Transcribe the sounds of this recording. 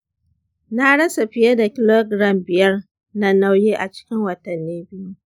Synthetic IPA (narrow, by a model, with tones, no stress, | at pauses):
na˦ɽɐ˦sa˨ɸɪ˦jɐ˦da˨kʲɪ˨lo˦ɡɽɐ˨mbɪ˨jɐ˦r | na˦na˦wjeː˦ʔa˨t͡ʃɪ̥˦kʲɪ˦ŋwɐ˨tɐ˨nːiː˦bɪ˦ju˦